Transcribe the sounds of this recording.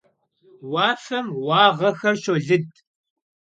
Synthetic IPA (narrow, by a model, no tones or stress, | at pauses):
wɑːfɐmwɑːʁɐxɐrʃoɮɨd̚